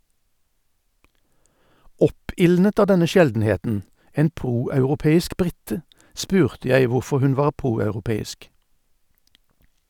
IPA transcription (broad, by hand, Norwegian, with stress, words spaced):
ˈɔpɪlnət ˈɑː ˈdɛnə ˈʃɛldn̩ˌheːtn̩ ˈeːn ˈpʁuːɑʉʁʊˌpeːɪsk ˈbʁɪtə ˈspʉːʁtə ˈjæɪ ˈʋʊʁfɔʁ ˈhʉn ˈʋɑːʁ ˈpʁuːɑʉʁʊˌpeːɪsk